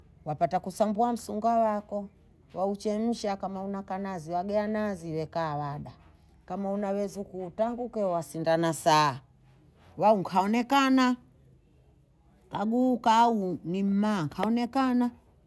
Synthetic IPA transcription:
wapatakusambuam̩suŋɡawakɔ | waut͡ʃɛm̩ʃakamaunakanaziwaɡɛanaziwɛkaːwaɗa | kamaunawɛzukuːtaŋɡukɛwasindanasaː | wauŋkʰaɔnɛkana | kaɡukaːunim̩maːŋkʰaɔnɛkana

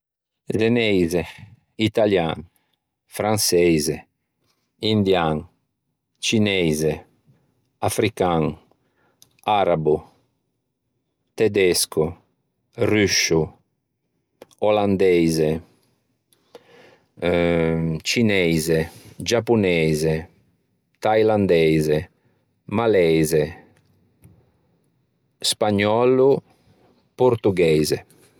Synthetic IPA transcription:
zenɛjze | it̪aljaŋ | fɾansɛjze | ind̪jaŋ | t͡ʃinɛjze | afɾikaŋ | aɾabu | t̪ɛd̪ɛsku | ryʃu | ɔland̪ɛjze | t͡ʃinɛjzed͡ʒapːunɛze | t̪ajland̪ɛjze | malɛjze | spaɲːɔlu | poɾt̪uɡɛjze

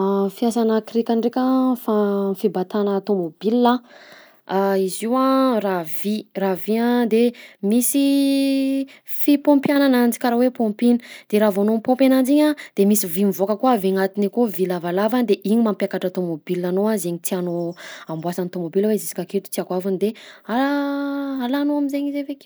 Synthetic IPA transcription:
fiasanakiɾekʲaɳɖ͡ʐekʲafafibat̪anət̪omobilːa | aiziwaraviraviad̪emisi | fipompjananand͡zi̥kaɾawepompinəd̪̥eɾavanompõmpʲanand͡ʒiɲad̪̥emisivimivokəkuaviŋat̪inekovilavalavand̪eʔiɲimampjakaʈ͡ʂat̪omobilanoazeɲit̪ianoambwasanit̪omobilwezisi̥kaket̪u̥t̪iakwavanid̪ea | alanoamizeɲizeveki

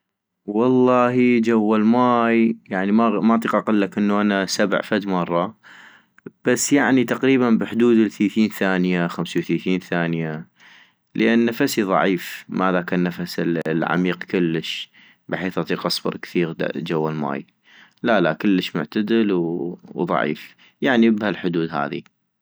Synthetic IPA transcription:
wɑlˤːɑːɦid͡ʒawːalmaːjjaʕnimamaʔt̪ˤiːqʔɑqɪlːakʔənːuʔanasab̰ʕfad̪mɑrˤːɑ | b̥asːjaʕnit̪aqɾiːbanbəħd̪uːd̪əlθiːθiːnθaːnjaxamsawθiːθiːnθaːnja | ləʔannːafasiðˤɑ̰ʕiːfmaðakanːafasɪlʕa̰miːqkʊlːəʃ | bɪħeːθʔɑt̪ˤiːqʔɑsˤbɑ̰ɾˤkθiːɣd͡ʒawːalma̰ːj | lalakəlːəʃmʊ̰ʕt̪ad̪əlwwðˤɑ̰ʕḭːf | jaʕnibhalħʊd̪uːd̪ɦa̰ːðḭ

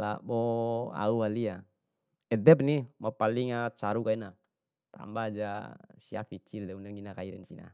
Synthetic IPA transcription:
la̰bɔa̰uwalia | ɛd̪ɛp̚nimapaliŋat͡ʃaɾukaina | t̪a̰mbad͡ʒasia̰fit͡ʃird̪ɛunɛŋɡinakaiɾɛ̰nsḭna̰

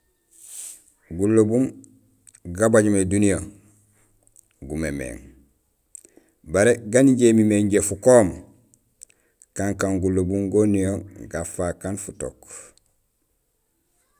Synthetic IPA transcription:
ɡulobum | ɡabaɟumedunijo | ɡumemḛːŋ | baɾeɡaniɟemimeɲɟefukoːm | kaŋkaŋɡulobuŋɡonijoɡafakanfuto̰k

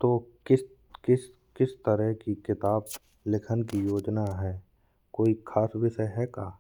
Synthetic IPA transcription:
t̪oːkɪs | kɪs | kɪst̪əɾəɦkikɪt̪aːb | lɪkʰənkijoːd͡ʒnaɦɛː | koːikʰaːsʋɪʃəɦɛːkaː

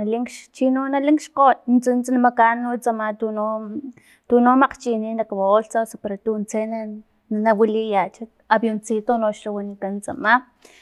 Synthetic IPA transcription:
naliŋkʃt͡ʃinonaliŋkʃqot̪nt͡sint͡snamakanːut͡samat̪uno | t̪unomaqt͡ʃininakawaoɬt͡sasapeɾot̪unt͡sena | nawilijat͡ʃat̪ | abjont͡sit̪onoʃlawanikant͡sa̰ma

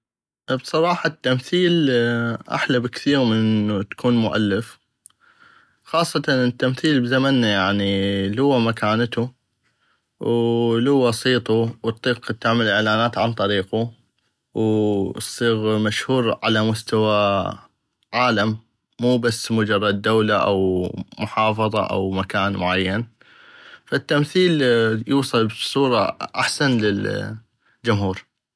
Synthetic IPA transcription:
bsˤɑɾˤɑːħɑt̪ːamθiːlʔa̰ħlabɪkθiːɾmɪnʔut̪ḁkuːnmʊʔa̰lːɪf | xɑːsˤːɑt̪ɑnɪt̪ːamθiːlbzamanːajaʕnilʊwːamakaːnt̪u | wluwasˤiːt̪ˤuwt̪ˤːiːqt̪ːɪʕmɪlʔɪʕlaːnaːt̪ʕant̪ˤɑɾiːqu | wsˤːiːɣmaʃhuːɾʕalamʊst̪awa | ʕaːlamː | uːbasːmʊd͡ʒɑrˤːɑd̪̚ːawlaʔa̰wmʊħɑːfɑðˤɑ̰ʔa̰wmakaːnmʊʕajːan | fat̪ːamθiːljuːsˤɑlbsˤuːɾˤɑʔaħsanlɪl | d͡ʒʊmhuːɾ

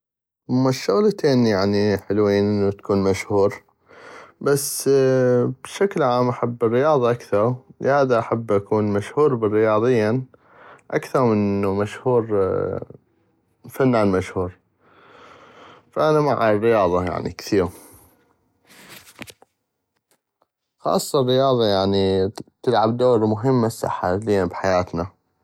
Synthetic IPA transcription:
ʔʊmːaʃːʊɣlt̪eːnjaʕniħəlwiːnʔɪnːut̪ḁkuːnmaʃhuːɾ | basː | b̥ʃaklʕaːmʔaħabːɪrːɪjɑːðˤɑʔakθɑɾˤlhaːðaʔaħabːʔakuːnmaʃhuːɾbɪrːɪjɑːðˤɪjːa | ʔakθɑɾˤmənːumaʃhuːɾ | fanːanmaʃhuːɾ | faʔanamaʕarːɪjɑːðˤɑja̰ʕnḭkθiːɾ | xɑ̰ːsˤːɑrːɪjɑːðˤɑjaʕnit̪ɪlʕab̚d̪oːɾmʊɦɪmːasa̰ħːa̰liːabħajaːt̪na

